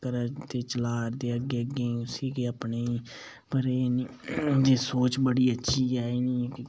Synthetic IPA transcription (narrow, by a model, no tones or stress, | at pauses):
kəɾat̪eːt͡ʃəlaːɾd̪eːəɡːeːəɡeːsiːkeːapneːiː | pəɾeːniːd͡ʒ̪eːsoːt͡ʃbəɽiːətːʃʰiːaːiːniːk